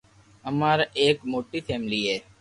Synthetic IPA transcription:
əmaːɾaeːkmoːʈiːfʰeːmliːɦeː

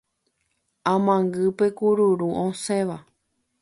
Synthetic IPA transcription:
ãmãŋɡɨpe̞kuɾuɾuʔõsẽʋa

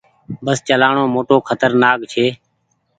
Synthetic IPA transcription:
bəst͡ʃəlaːɳoːmoːʈoːkʰət̪əɾnaːkt͡ʃʰeː

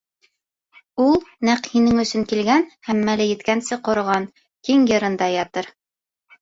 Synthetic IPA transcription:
ulˠnæqhinɘŋɵ̆sɵŋkilɡænhæmːælɘjɘ̆t̪kænsɘqŏɾŏʁɑn | kiŋjɤ̆ɾɤ̆nd̪ɑjɑt̪ɤɾ

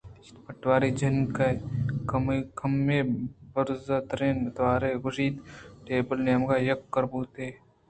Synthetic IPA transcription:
t̪pɐʈʋaːɾid͡ʒɐnkɐkmkɐmeːbəɾzɐt̪ɾeːnd̪ʋaːɾeːɡʊʃiːt̪ʈeːbəlnjmɡaːjɐkːəɾbuːt̪eː

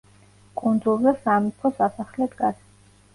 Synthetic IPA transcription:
kʼund̪zulˠzɛsamipʰɔsasaχlɛd̪ɡa

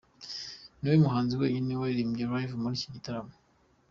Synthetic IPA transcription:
niwemuɦaːnziwe̞ːɲineweiɾiːmɡeɾajvumuɾiciɟitaɾamo

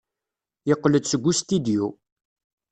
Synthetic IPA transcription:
jəqːləd̪səɡʷːust̪id̪iju

